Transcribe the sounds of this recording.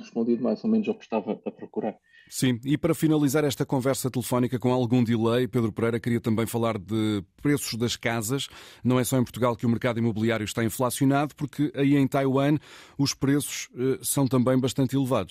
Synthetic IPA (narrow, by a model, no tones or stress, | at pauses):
ʁɨʃpõnd̪iðumajzomẽnuzekʃt̪avɐɐpɾɔkuɾaɾ | sĩipɐɾɐfinɐlˠizaɾɛʃt̪ɐkõvɛɾsɐt̪ɨlˠɨfɔnikɐkõalˠɣũd̪ilˠɐjpeðɾupɨɾɐjɾɐkɾiɐt̪ɐ̃mbɐ̃j̃fɐlˠaɾðɨpɾesu̥ʒðɐʃkazɐʃnɐ̃w̃ɛsɔẽpuɾt̪uɣalˠkɨumɨɾkaðuimuβɨlˠiaɾjuʃt̪aĩflˠasjunaðupuɾkɨʔɐiẽj̃t̪ajwɐ̃nuʃpɾesu̥ʃɛsɐ̃w̃t̪ɐ̃mbɐ̃j̃bɐʃt̪ɐ̃nt̪ilˠɨvaðuʃ